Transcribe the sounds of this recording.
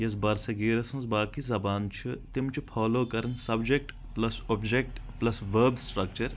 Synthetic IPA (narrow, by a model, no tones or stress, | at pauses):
jɐsbɐɾsɐɡiːɾɐsɐnzbaːkizɐbaːnt͡ʃʰit̪imt͡ʃʰupʰaːloːkɐɾɐnsɐbd͡ʒek̚ʈ | plɐsoːbd͡ʒek̚ʈplɐsʋɐːbsʈɾɐk̚t͡ʃɐɾ